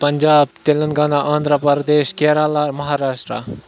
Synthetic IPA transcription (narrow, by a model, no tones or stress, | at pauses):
pɐɲd͡ʒaːb̚t̪elənɡaːnaʔɐ̃ːnd̪ɾəpəɾd̪eːɕkeːɾalaɾmɐɦaɾaːʂʈɾa̰